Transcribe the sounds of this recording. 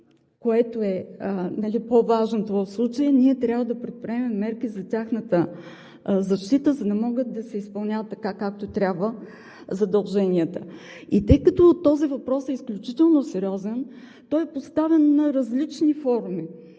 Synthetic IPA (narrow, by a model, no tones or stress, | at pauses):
koɛt̪oɛənɐlipovaʒnot̪ovəfslˠut͡ʃəjənʲiɛt̪ɾʲjabvəd̪ɐpɾɛt̪̚pɾiɛmɛːɛɾk̟izɐtʲaxnət̪ə | zɐʃt̪it̪əzɐd̪ɐmɔɡət̪̚d̪ɐsɛispɐlˠnʲavət̪ːɐkakak̚t̪ot̪ɾʲabvə | zɐd̪ɐlˠʒɛnʲiət̪ə | it̪əjkət̪ot̪ɔzivɐpɾɔsɛisklʲut͡ʃit̪ɛlˠnosɛɾʲiɔzɛn | t̪ɔjɛpost̪avɛnːɐɾɐzlit͡ʃnifɔɾmi